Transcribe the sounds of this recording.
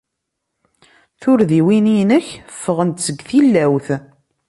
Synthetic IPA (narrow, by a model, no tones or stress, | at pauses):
θʊɾðiwininəçfːəʁənt̪səɡθilːæwθ